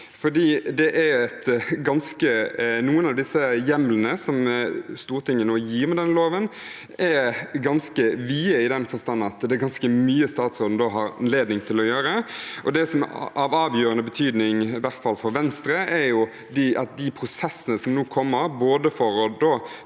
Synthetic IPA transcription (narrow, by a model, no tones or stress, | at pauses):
fɔɖ̪iːd̪ɛʔæɾɛt̪ɡɑnskənuːənɑʋd̪ɪsːəjɛmlənəsɔmst̪uːɾt̪ʰɪŋːənoːjiːɾmɛd̪ɛnːəloːʋən | ɛɡɑnskəʋiːəɪd̪ɛnfɔst̪ɑnːnɑt̪d̪ɛːɡɑnskəmyːəst̪ɑːt̪sɾoːn̩d̪oɦɑɾɑ̰nleːd̪nɪŋt̪ʰɪlɔjøːɾəʔɔd̪ɛsɔmɑʋɑːʋjøːɾənəbət̪ʰyːd̪nɪŋɪʋæʁt̪fɑlfɔɾʋɛnst̪ɾəæɾjʊ | d̪ɪʔɑt̪̚d̪ɪpʰɾʊsɛsːənəsɔmnuːkʰɔmːəɾboːd̪əfɔɾɔd̪oː